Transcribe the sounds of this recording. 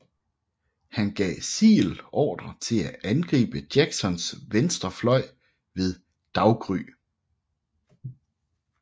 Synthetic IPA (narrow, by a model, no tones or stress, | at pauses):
hænɡ̥ɛ̰ːsḭːlɒ̰ːd̥ʁɐt͡sʰe̝læʔænɡ̥ʁḭːb̥əd̥jæɡ̥sɒ̽nsʋensd̥ɐflɒ̽ɪ̰ | ʋe̝ðˠ | d̥ɑ̈ʊɡ̥ʁy̰ː